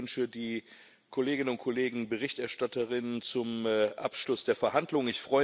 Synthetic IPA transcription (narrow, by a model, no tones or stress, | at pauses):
nʃədiː | kʰoleːɡɪnənʊntkʰoleːɡŋ̩bəʁɪçtɛɐʃtatəʁɪnənt͡sʊmːʔa̰pʃlʊsd̥eːɐfɛɐhandlʊŋənɪçfʁ̥ɔʏ